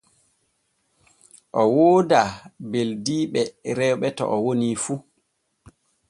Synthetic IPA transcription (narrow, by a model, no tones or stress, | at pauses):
ʔɔwoːdabeldiːɓɛɾɛwɓɛtɔ̰ʔɔwonifu